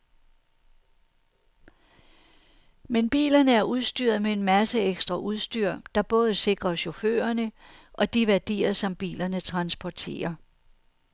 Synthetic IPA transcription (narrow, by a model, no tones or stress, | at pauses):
menb̥ḭːlɐnəæɐʔuð̞ˠsd̥y̰ːɐ̰ð̞̩ˠmee̝nmæsəeɡ̥sd̥ʁɐʔuð̞ˠsd̥yɐ̰d̥ɑ̈b̥ɔ̽ːð̞̩ˠəse̝ɡ̥ʁɐɕo̝fø̰ːɐnəʔɒ̽d̥iʋæɐd̥ḭːɐsɒ̽mb̥ḭːlɐnət͡sʰʁɑ̈nsb̥ɒt͡sʰe̝̰ːɐ